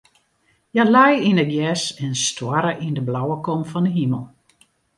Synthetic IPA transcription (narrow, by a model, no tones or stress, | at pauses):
jalajinəɡjɛsɛnstwaɾəʔindəblawəkɔmfɔndəɦiməlˠ